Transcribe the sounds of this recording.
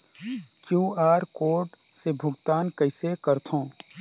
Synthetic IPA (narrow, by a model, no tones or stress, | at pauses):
kjuːaːɾkoːɾɖ | sebʱʊɡt̪aːnkəɪsekəɾt̪ʰõː